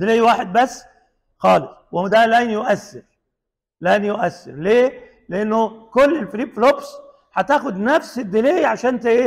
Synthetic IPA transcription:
d̪ɪleːjwaːħɪd̪̚basː | xɑːlɪsˤ | wɪd̪ælænjʊʔasːɪɾ | læːnjʊʔasːɪ̰ɾleː | lɪʔɪnːʊkʊlːɪlfɾiːbflobs | ħat̪aːxʊd̪nafsɪd̪ːɪleːjʕaʃæːnt̪ɪʔ

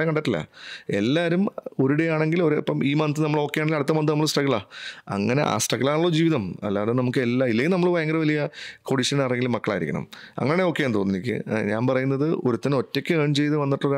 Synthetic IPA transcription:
jɐŋkɐɳɖɐtːilːɐ̰e̞̰lːaːɾumo̞ɾuɽe̞jaːɳe̞ŋɡilo̞ɾpːɐmiːmɐnt̪ːɨnɐmːɐɭo̞ːkːe̞jaːɳeŋɡilɐɽut̪ːɐmʋɐnt̪ɨnmːɐɭsʈɐɣːɐɭaːɐ̰ŋːɐne̞̰ʔa̰ːsʈɐɣːɐɭlaːɳuɭːod͡ʑiːʋiðɐmɐ̰lːaːðumnɐmukːɨelːailːeŋɡilnɐmːɐɭbɐjɐŋɡɐɾʋɐlijɐkoɖiʂɐnnaːreŋɡilmɐkːɐɭa̰ːjiɾikʲːɐɳɐ̰mɐ̰ŋːɐneːneoːkːejaːnt̪onːenikʲːɨ̰ɲaːnpɐrɐjunːɐðɨʔo̞ɾut̪ːɐno̞tːekʲːɨeːɳt͡ɕe̞jt̪ːɨʋɐnːiʈːɭoɾ

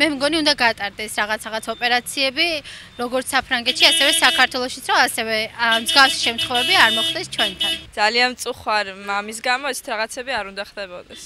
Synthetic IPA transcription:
mɛmɡɔniund̪aɡat̪ʼaɾd̪ɛsɾaʁat̪sʰaʁat̪sʰaɔpʼɛɾat̪sʰiɛbi | ɾɔɡɔɾt̪sʰsapʰɾaŋɡɛt̪ʃiasɛvɛsakʰaɾt̪ʰwɛlˠɔʃit̪sʰɾɔasɛvɛmzɡafsi̥ʃɛmt̪ʰχɔvɛbiaɾmɔχd̪ɛst͡ʃʰwɛnt̪ʰand̪alianmt̪sʼuχwaɾmamis̬ɡamɔɛt̪sʰɛ̥t̪ʰɾaʁat̪sʰɛːbiaɾund̪aχd̪ɛbɔ̰d̪ɛs

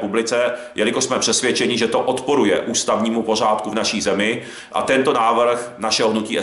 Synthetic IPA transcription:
publɪt͡sɛ | jɛlɪkoʃsmɛpr̝̥ɛsvjɛt͡ʃɛɲɪʒɛt̪o̞ʔot̪poɾujɛ̰ʔuːst̪avɲiːmupo̞r̝aːt̪kuvnaʃiːzɛmɪ | ʔa̰t̪ɛnt̪o̞naːvr̩xnaʃɛɦoɦnuciːʔɛ

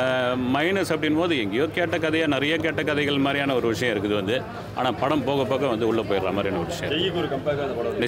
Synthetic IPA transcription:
mɐɪnɐsɐpːɐɽɪnpoːðɯɛŋɡɐjokeːʈːɐkːɐðɐjaːnɪɾɐjɐkeːʈːɐkːɐðɐɪɣɐɭɪmaːd̪ɾijaːnɐɔɾɯʋɪʂɐjɐ̃ɪɾɯkːɯðɯʋɐnd̪ɯ | ʔa̰ːnaːpɐɽɐmpoːɣɐpːoːɣɐʋɐnd̪ɯʊɭːɐpːoːjɪɾɾaːmaːd̪ɾɪɛnːɐɪʂɐjɐ̃jɪkːɔɾɯkɐmpaːkaːnd̪ɐpɐɽɐnɪ

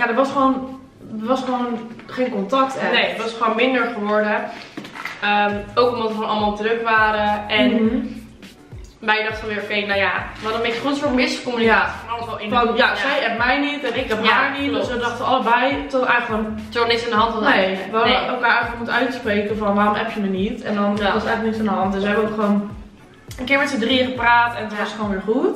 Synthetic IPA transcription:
jadətʋɑsχəʋown | əʋɑsχəʋownχeːnkɔntɑk̚tnejətʋɑsχəoːnmɪndəɹχəʋɔɹdə | əːmowkomdɔtəχoːnɑlˠmalˠtrøkʋaːɾəɛn | bɛjədɑχtəfɔnʋɪːɹokejnawjaʋɛdmɪkχunsʋoɹtmɪskomnafɔɔlˠəsʋɔlˠɪfɔjasɛjɛpmɛjnitɛnɪkɛpaːɹnitdøsədɔχtəɑlˠəbɛjtɔtɛjɣləkontɔənɪtsandəɦɑntɔnejʋaɛlˠkaːɛjləkmutəœɥtspreːkəfɔnʋaːrʊmɛpjəmənitɛndɔnɔsətɛjxləknɪtsandəɦɔntdəsʋəɦɛbəokχoːn | ənkɪːɹmɛtsədriəχəpraːtɛnətʋɔstχoːnʋɪːɹχut

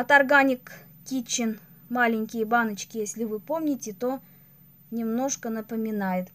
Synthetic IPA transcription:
ɐt̪ɐrɡanʲɪk | kʲit͡ɕːɪn | malʲɪnʲkʲɪjəbanət͡ɕkʲɪjesʲlʲɪvɨpo̞mnʲɪtʲɪt̪o̞ | nʲɪmno̞ʂkənəpəmʲɪnajɪt̪

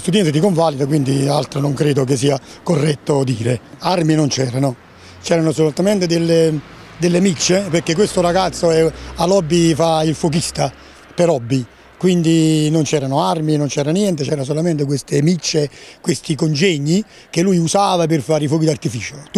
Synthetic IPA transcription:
st̪ud̪jɛnt̪et̪ikoɱvalid̪akwind̪ialt̪ɾonoŋkɾeːd̪ok̬es̬iːakorːɛt̪ːod̪ḭːɾearminont͡ʃɛːɾano | t͡ʃɛːɾanosolut̪ament̪ed̪elːe | d̪elːemit͡ʃːeperkːek̬ːwest̪oɾaɡat̪sːoɛalɔbːifailfok̬ist̪a | peɾɔbːi | kwind̪inont͡ʃɛːɾanoarminont͡ʃɛːɾanjɛnt̪et͡ʃɛːɾas̬olament̪ek̬west̪emit͡ʃːekwest̪ikond͡ʒɛɲːi | kelːujusaːvapɪrfaːɾifɔːkid̪art̪ifiːt͡ʃot̪

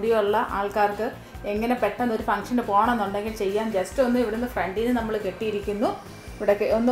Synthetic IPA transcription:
ɽijoɭːɐʔaːɭkaːrkɨ | e̞ŋːɐne̞peʈːɐnːo̞ɾufɐŋʂɐndɨpo̞ːɣɐɳɐmenːuɳɖe̞ŋɡilt͡ɕe̞jːaːnd͡ʑɐstɨo̞nːɨiʋiɽenːɨfreɳɖinɨnɐmːɐɭɨke̞ʈːijiɾikʲːunːu | ʋiɽɐkːeonː

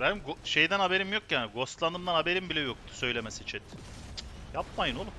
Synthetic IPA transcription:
bænɡoʃe̞jd̪ænabe̞ɾimjokjaːniɡo̞st̪lˠanɯmd̪anhabe̞ɾimbilʲɛjok̚t̪ʰu̥sø̞jlʲemesit͡ʃʰɛt̪ | jap̚majɯno̞lˠu

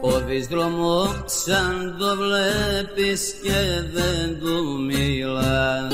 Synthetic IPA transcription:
oðizɣɾomoksɐnd̪ovlɛpisceðend̪umilɐ

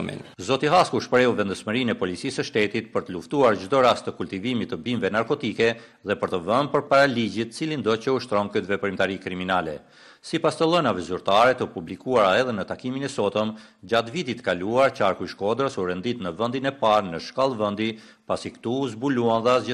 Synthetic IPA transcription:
ḭnzɔt̪iɦaskuʃpɾɛuvɛnd̪əsməɾinɛpɔlit͡sisəʃt̪ɛt̪it̪pəɾt̪əluft̪uaɾd͡ʒd̪ɔɾast̪əkulʲt̪ivimit̪ːəbimvɛnaɾkɔt̪ikɛ | ðɛpəɾt̪əvənpəɾpaɾalid͡ʑit̪ət͡silind̪ɔt͡ɕəuʃt̪ɾɔnkyt̪vɛpɾimt̪aɾikɾiminalɛ̰ | sipast̪əlˠɛnavɛzyɾt̪aɾɛt̪əpublikuaɾaɛðɛnət̪akiminɛsɔt̪əm | d͡ʑat̪vit̪it̪ə̥kaluaɾt͡ʃaɾkujʃkɔd̪ɾəsuɾɛnd̪it̪nəvənd̪inɛpaɾnəʃkalˠvənd̪i | pasikt̪uzbuluanðazə

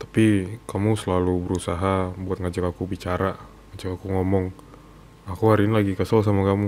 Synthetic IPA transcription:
t̪ḁpikamusəlalubəɾusaɦabuat̪̚ŋad͡ʒakakubit͡ʃaɾa | ŋad͡ʒakakuŋɔmɔŋ | akuɦaɾinlaɡikasols̬amakamu

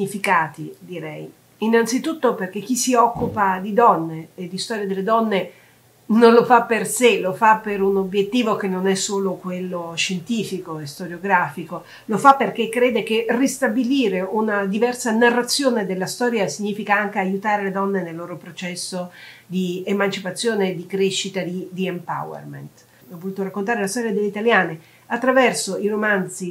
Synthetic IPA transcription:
ifikaːt̪id̪iɾɛj | inːant̪sit̪ut̪ːoperk̟ek̟ːisːiɔkːupad̪id̪ɔnːeːd̪ːist̪ɔːɾjad̪elːed̪ɔnːe | nonlofapːerselofapːeɾunobjet̪ːiːvok̟enːonɛsːoːlokwelːoʃent̪iːfikoest̪oɾjoɡɾaːfiko | lofapːerk̟ekːɾeːd̪ekerist̪abiliːɾeunad̪ivɛrsanarːat̪sːjoːned̪elːast̪ɔːɾjasiɲːiːfikaaŋk̟eajut̪aːɾeled̪ɔnːenelːoːɾopɾot͡ʃɛsːo | d̪iemant͡ʃipat̪sːjoːned̪ikɾeʃːit̪ad̪id̪iempa̰wḛrmḛnt̪ | ɔvːolut̪oɾakːont̪̬aːɾelast̪ɔɾjad̪elːeit̪aljaːne | at̪ːɾavɛrsoiɾomant̪si

